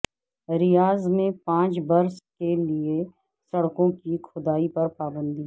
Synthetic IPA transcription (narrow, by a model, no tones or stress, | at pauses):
ɾɪjaːzmẽpãːt͡ʃbɐɾskelie | sɐɽkõkikʰʊd̪aːipɐɾpaːbə̃nd̪ʱiː